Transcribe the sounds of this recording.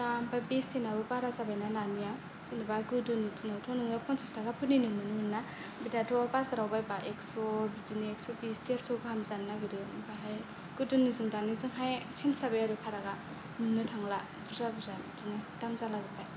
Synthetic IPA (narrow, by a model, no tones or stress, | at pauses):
dambabisinabɯpaɾazabajnananija | sinibaɡɯdunitinawtʰɔnɯŋɯpʰɔnsistaɡapʰɯninɯmɯnɯŋɯnna | bidatʰɔapasɾawbajbaʔeksɔbidiniek̚sɔbisteɾsɔɡɯhamzannaɡɯɾɯbaɦaj | ɡ̥udunizuŋdanizɯŋɦajsinsabajaɾɯpʰaɾaɡa | nɯŋnɯtʰaŋla | duzabuza | dinɯtamzalababaj